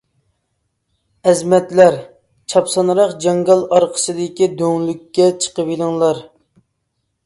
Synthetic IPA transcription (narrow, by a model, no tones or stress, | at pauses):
ɛzmɛt̪læɾ | t͡ʃʰɑpsɑnɾɑqd͡ʒɑŋɡɑlˠɑɾqʰə̥sɨd̪ɪkʲid̪øŋlykʲːɛt͡ʃʰə̥qəwilˠɨŋlˠɑɾ